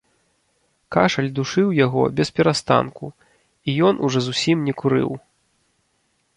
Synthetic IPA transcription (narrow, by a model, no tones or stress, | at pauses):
kaʂɐlʲd̪uʂɨwjaɣɔ̰bʲɛspʲɛɾast̪a̰nku | ijɔnʔuʐɔzusʲimnʲɛkuɾɨ̰w